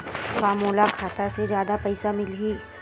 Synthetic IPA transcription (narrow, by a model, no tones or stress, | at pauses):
faːmoːlakʰaːt̪ased͡ʒjaːd̪apɐɪsamɪlɦi